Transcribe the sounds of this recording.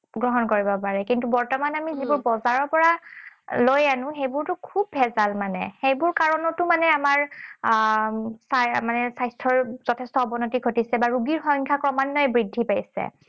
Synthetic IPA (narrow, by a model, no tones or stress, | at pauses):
ɡɹɔɦɔnkoɹibɔpaɹɛkintubɔɹtɔmanamizibʊɹbɔzaɹɔɹpɔɹalojanʊ̃xejbʊɹtʊkʰub̚ʱːɛzalmanɛ̰xejbʊɹkaɹɔnɔtʊmanɛamaɹ | samanɛsajstʰɔɹz̥ɔtʰɛstɔːbɔnɔtiɡʰʱotisɛbaɹuɡiɹxɔj̃ŋkʰakɹɔmanːɔɛbɹidʱːipajsɛ̰